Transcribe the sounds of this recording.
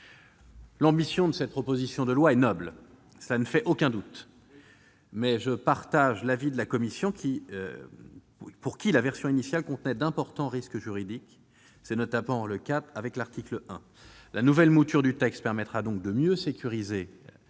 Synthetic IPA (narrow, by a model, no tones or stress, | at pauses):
lɑ̃bisjɔ̃d̪əsɛt̪̚pχɔpozisjɔ̃d̪əlwaɛnɔbl | səlanəfɛʔokʲɛ̃d̪ut̪ | mɛʒəpaʁt̪aʒlavid̪əlakɔmisjɔ̃kʲʰi | puʁkʲilavɛʁsjɔ̃inisjalkɔ̃t̪nɛd̪ɛ̃pɔʁt̪ɑ̃ʁiskəʒyʁid̪ik | sɛnɔt̪apɑ̃ləkat̪avɛklaʁt̪ikləɛ̰̃ | lanuvɛlmut̪yʁd̪yt̪ɛkst̪̚pɛʁmɛt̪χad̪ɔ̃k̚d̪əmjøsekʲyʁize